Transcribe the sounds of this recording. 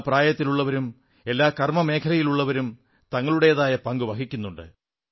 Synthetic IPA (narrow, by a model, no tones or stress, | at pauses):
praːjɐt̪ːiluɭːɐʋɐɾum | e̞lːaːkɐrmɐme̞ːkʰɐlɐjiluɭːɐʋɐɾum | t̪ɐŋːɐɭuɽe̞jɐðaːjɐpɐŋɡuʋɐkʰikʲːunːuɳɖɨ̰